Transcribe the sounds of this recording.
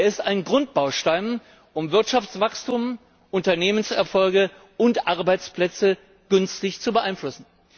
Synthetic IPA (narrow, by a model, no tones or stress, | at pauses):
ɐɪstaɪnɡʁʊnt̚b̥aʊʃtaɪn | ʔʊmvɪɐtʃaft͡sv̥akstum | ʔʊntɐneːmənsɛɐfɔlɡə | ʊntʔaʁbaɪt͡spl̥ɛt͡sə | ɡ̥ʏnstɪçt͡subəʔaɪnflʊsn̩